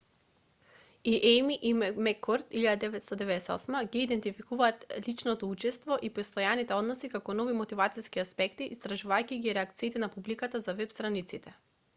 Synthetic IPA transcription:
iʔɛjmiʔimɛkʰːɔɾt̪iʎad̪ad̪ɛvɛt̪st̪ɔd̪ɛvɛd̪ɛsɛɔ̰smaɡiːd̪ɛnt̪ifikuvaːt̪lit͡ʃnɔt̪ɔut͡ʃɛst̪vɔʔipɛst̪ɔjanit̪ɛɔd̪nɔsikakɔnɔvimot̪ivat̪siskiaspɛkt̪iʔist̪ɾaʒuvajkʲiɡiɾɛak̚t̪siːt̪ɛnapublikat̪azavɛpst̪ɾanit̪sit̪ɛ

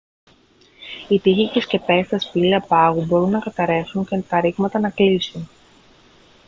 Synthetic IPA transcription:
it̪içicesce̞pe̞st̪ɐspiliɐpɐɣubo̞ɾunːɐkɐt̪ɐɾe̞xuɲcent̪ɐɾiɣmɐt̪ɐnɐklisun

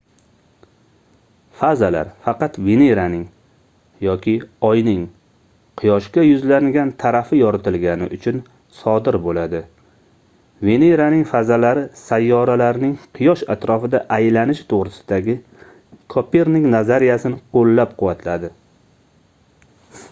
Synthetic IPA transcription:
fazala̰ɾfɑqɑt̪ve̞neɾanɪŋ | jɒkʲʰɪɒjnɪŋ | qʰɨjɒʃkʲajʊzlaŋɡʲant̪ʰaɾafɪjɒɾat̪ɪlɡʲanɪ̰ʔʊt͡ʃʰʊn | sɒd̪ɪɾbolad̪ɪ | ve̞neɾanɪŋfazalaɾɪsajːɒɾalaɾnɪŋqʰɨjɒʃa̰t̪ɾɒfɪd̪aʔajlanɪʃt̪ʰoʁɾɪsɪ̥d̪aɡʲɪ | kʰɒpeɾnɪŋnazaɾijasɪnɪqʰolːap̚qʰʊwat̪lad̪ɪ

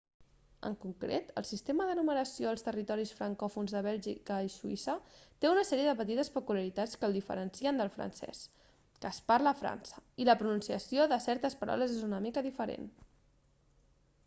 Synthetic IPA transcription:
ə̰ŋkuŋkɾḛt̪ə̰lˠsist̪eməðənuməɾəsioəlˠst̪ərit̪ɔɾisfɾəŋkɔfunzðəβɛlʒḭkəisuḭsət̪eunəsɛɾiəðəpət̪̬it̪əspəkuljaɾit̪at͡skəlˠd̪ifə̰ɾənsiənd̪əlˠfɾə̰nsɛ̰s | kəːspaɾləːfɾa̰nsə̥iləpɾununsiəsjoðəsɛɾt̪əspəɾʔa̰wləzezunəmikəðifəɾḛn

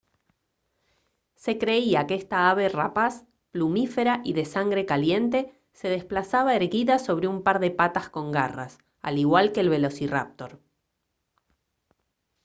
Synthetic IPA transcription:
se̞kɾe̞iakeest̪aaβe̞rapas | plumife̞ɾaʔiðe̞saŋɡɾe̞kalje̞nt̪e̞ | se̞ð̞e̞splasaβaeɾɣiðaso̞βɾeumpaɾðe̞pat̪asko̞ŋɡara̰s | a̰liɣwalkeːlβe̞lo̞sira̰p̚t̪o̞ɾ

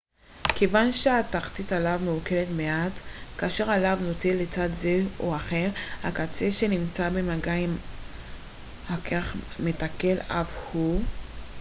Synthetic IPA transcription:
kʰevanʃeataχtitalavmeuke̞letmeatkaːʃe̞ʁalavno̞telːet͡sadze̞oaχe̞ʁhakat͡seʃe̞nimt͡sabemaɡaim | hakʰeχmetake̞la̰fhu

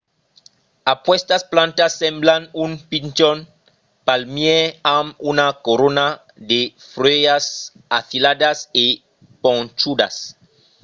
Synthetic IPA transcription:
apwest̪asplãnt̪asːemblanunpint͡ʃon | palmjeamunakoɾona | d̪efɾejas | aθilad̪ase | põnt͡ʃud̪a̰s

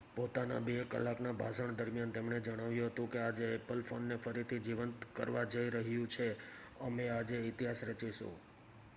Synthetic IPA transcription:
pot̪ana̰bekə̰lːaknabʱasəɳ̃d̪əɾmijant̪emɳed͡ʒəɽ̃aʋjũɦət̪ũkead͡ʒeːpəlfonːefəɾit̪ʰid͡ʒiʋənt̪kə̰ɾʋad͡ʒəiɾəɦjũt͡ʃʰe | əmead͡ʒeɪt̪iɦasɾət͡ʃiʃṵ̃

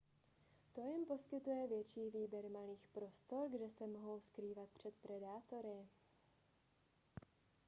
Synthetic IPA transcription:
t̪o̞jɛmpo̞skɪt̪ujɛvjɛt͡ʃiːviːbjɛɾmaliːxpɾo̞st̪o̞ɾɡdɛsɛmo̞ɦo̞wskɾiːvat̪̚pr̝̥ɛt̪pɾɛdaːt̪o̞ɾɪ

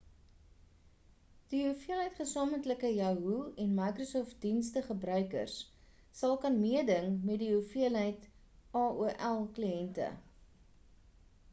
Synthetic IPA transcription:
d̥iɦufiəlɦəjtχəsɑːmətləkəjɐɦuɛnmɐjkrosɔːft̚dinstəχəbrœɥkə̰rsː | ɐlˠkɐnmiədəŋmɛtdiufiəlɦəjt | ɑːuʔælˠkliɛntə̰

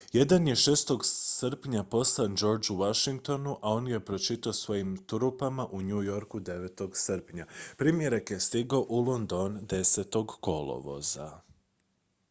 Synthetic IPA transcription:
je̞d̪anje̞ʃeːst̪o̞ɡsəɾpɲapo̞slˠand͡ʒo̞ɾd͡ʒuʋaʃiŋk̚t̪o̞nuʔao̞nje̞pɾo̞t͡ʃit̪aosʋo̞jimt̪ɾupamaʔuɲujo̞ɾkud̪e̞ʋet̪o̞ɡsəɾpɲapɾimje̞ɾakje̞st̪iɡao̞ʔulˠo̞nd̪ond̪e̞set̪o̞ɡko̞lˠo̰ʋo̞̰za̰

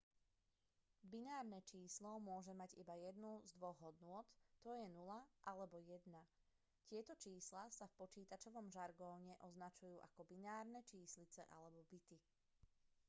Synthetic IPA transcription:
binaːɾnɛt͡ʃiːslɔmʊɔʒɛmaɟḭbajɛd̪nuzd̪ʋɔɣɦɔd̪nʊɔt̪ːɔjɛnulaʔalɛbɔjɛd̪na | cɪɛt̪ɔt͡ʃiːslasafpɔt͡ʃiːt̪at͡ʃɔʋɔmʒaɾɡɔːɲɛʔɔznat͡ʃujuːʔakɔbinaːɾnɛt͡ʃiːslit͡sɛ̰ʔa̰lɛbɔbit̪i

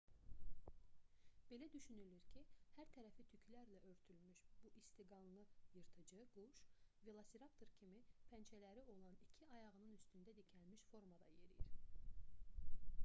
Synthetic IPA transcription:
b̥e̞læd̪yʃynylyɾcʰihæɾt̪ʰæɾæfit̪ʰycʰlæɾlæʔø̞ɾt̪ʰylymyʃb̥uʔist̪iɡɑnˠlˠɯjɯɾt̪ʰɯd͡ʒɯɡuʃvilˠasiɾɑpt̪ʰoɾcʰimipʰænt͡ʃʰælæɾio̞lˠɑnicʰiɑjɑʁɯnɯnyst̪ynd̪æd̪icʰælmiʃfo̞ɾmɑd̪ɑ̰je̞ɾḭjḭɾ

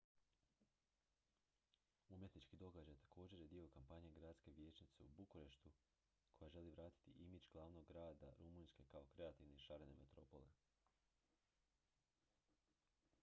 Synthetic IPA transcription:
umje̞t̪nit͡ʃkid̪o̞ɡad͡ʒajt̪ḁkʰo̞ːd͡ʑe̞ɾjed̪io̞kampaɲe̞ɡɾaːd̪ske̞ʋje̞ːt͡ʃnit̪se̞̰ubukuɾe̞ʃt̪u | kʰo̞jaʒe̞liʋɾaːt̪i̥t̪iʔimid͡ʒɡ̥lˠaːʋno̞ɡːɾaːd̪aɾumuːnske̞kao̞kɾe̞at̪iʋneʃaɾene̞met̪ɾo̞po̞̰le̞̰

